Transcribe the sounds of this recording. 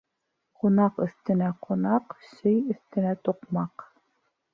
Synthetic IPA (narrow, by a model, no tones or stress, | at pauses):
qunɑqɵ̆θt̪ɘ̆næqʰunɑqsɵjɵ̆θt̪ɘ̆næt̪uqmɑq